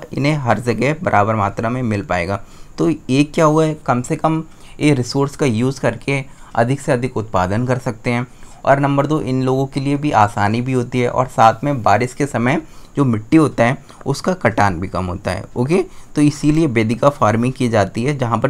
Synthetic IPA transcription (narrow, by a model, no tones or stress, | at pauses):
ɪ̰nɦẽɦɐɾd͡ʒɐɡɛbɐɾʔaːbəɾmaːt̪ɾamẽmɪlpa̰ːḛːɡaːt̪oːeːkːjaːɦuaɦɛkɐmsekɐm | eːkɾɪsoːɾskajuːzkɐɾkeɐ̰d̪ʱɪkseɐd̪ʱɪkʊt̪̚paːd̪ənkɐɾsɐk̚t̪eɦɛ̃ːɔ̰ːɾnɐ̃mbəɾd̪oːʔɪnloːɡõkeliebʱiʔaːsaːnibʱiɦoːt̪iɦɛ̰ʔɔ̰ːɾsaːt̪ʰmẽbaːɾɪskesɐməjd͡ʒoːmɪʈːiɦoːt̪aɦɛ | ʊskakɐʈaːnbʱikɐmɦo̰ːt̪a̰ɦɛ̰oːket̪oɪsiliebeːd̪ʱɪkafaːɾmɪ̃ŋɡkid͡ʒaːt̪iɦɛd͡ʒɐɦãpɐ